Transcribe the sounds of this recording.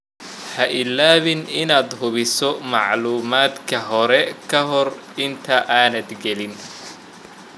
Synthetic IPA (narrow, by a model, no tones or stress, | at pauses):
hɐʔɪlːaːβɪnɪnaːd̪ɦʊβɪsɔmɑʕluːmaːd̪kʰɐɦɔɾɛkʰɐɦɔr | ɪnt̪ʰɐʔaːnɐd̪ɡɛlɪn